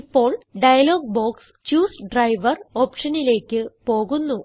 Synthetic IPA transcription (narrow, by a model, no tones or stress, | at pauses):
ipːo̞ːɭɖɐjɐlo̞ːɡ̚boːks | t͡ɕuːsɖrɐjʋɐro̞ːpʂɐnile̞ːkʲːɨpo̞ːɣunːu